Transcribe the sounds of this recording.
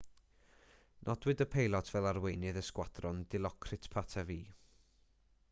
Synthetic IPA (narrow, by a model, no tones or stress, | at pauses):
nʔɔdwɪdəpʰejlˠɔtʰv̥ɛlˠarwejnɨðəskwad̥rʊndɪlˠɔkʰrɨtʰpʰatʰɛviː